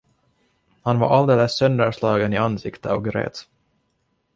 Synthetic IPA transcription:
hanva̰ɾʔald̪eːləsːœnd̪əʂlɑːɡənɪansɪkt̪əɑvɡɾḛːt̪

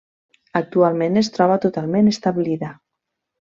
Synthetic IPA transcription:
ak̚t̪ualˠmenest̪ɾɔβ̞at̪ot̪alˠmẽnest̪aβiliða

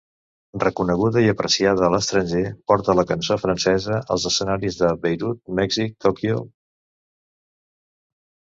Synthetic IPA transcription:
rrəkunəɣ̞uðəiəpɾəsiaðəːləst̪ɾənʲʒepɔɾt̪ələkənsofɾənsɛzəʔə̰lˠzəsənaɾizðəβejɾut̪̚mɛɡzit̪okiṵ

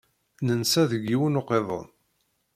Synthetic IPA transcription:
nənsæðəɡːiwənoqːeðˤə̰n

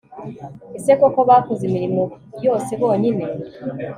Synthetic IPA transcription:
isekokoβaːkozimiɾimo | jo̞ːse̞βo̞ːɲine̞

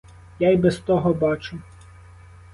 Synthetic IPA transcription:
jajbɛst̪ɔɦɔbɑt͡ʃʊ

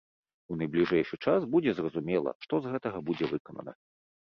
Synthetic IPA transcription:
unɐjblʲiʐɛjʂɨt͡ʂasbud͡zʲɛzrɐzumʲɛlˠɐ̰ʂt̪ɔzɣɛt̪ɐɣɐbud͡zʲɛvɨkɐnɐ̰nɐ̰

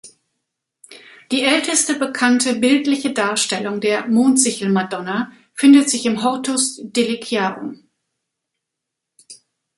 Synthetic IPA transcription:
d̥iːʔɛltəstəbəkʰantʰəbɪltlɪçədaːɐʃtɛlʊŋdeːɐmoːntz̥ɪçl̩madɔna | fɪndətz̥ɪçɪmɦɔʁtʰʊsd̥elikʰjaːʁʊ̰m

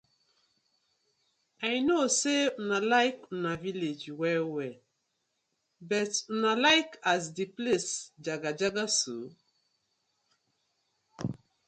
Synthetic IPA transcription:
ajnoseunalaɪkunaviled͡ʒwɛwɛ | bɛtunalaɪkʰaz̬diplesd͡ʒaɡad͡ʒaɡaso

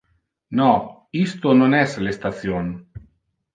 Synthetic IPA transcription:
nɔ | ist̪ononɛslest̪at̪sjon

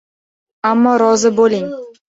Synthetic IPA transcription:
amːɒɾɒzɪbolɪŋ

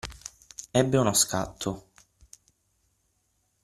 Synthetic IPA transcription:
ɛbːɪunɔska̰t̪ʰːʊ

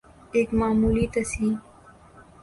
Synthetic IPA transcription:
eːkmaːmuːlit̪ɐsiː

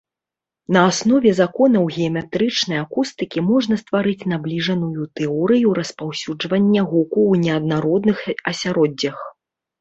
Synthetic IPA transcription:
nɐːsnɔvʲɛzakɔnɐwɣʲɛɐmʲɛt̪ɾɨt͡ʂnɐjakust̪ɨkʲimɔʐnɐst̪vaɾɨt͡sʲnablʲiʐɐnujut̪ɛɔɾɨjuɾɐspawsʲud͡ʐvɐnʲːɛɣɔkuwnʲɛɐd̪̚naɾɔd̪nɨxɐsʲaɾɔd͡zʲːɐx

